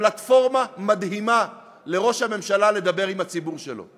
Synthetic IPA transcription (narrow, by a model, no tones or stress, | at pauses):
lat̪fo̞ʁmamad̪ɦima | le̞ʁo̞ʃhame̞mʃalale̞d̪abe̞ʁimhat͡sibuʁʃelo̞̰